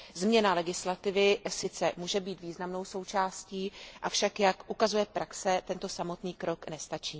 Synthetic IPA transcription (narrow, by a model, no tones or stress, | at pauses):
zmɲɛnalɛɡɪslat̪ɪvɪsɪt͡sɛmuːʒɛbiːt̪viːznamno̞wso̞wt͡ʃaːsciːʔafʃakjakʔukazujɛpɾʔaksɛt̪ɛnt̪o̞samo̞t̪niːkɾo̞knɛst̪at͡ʃiː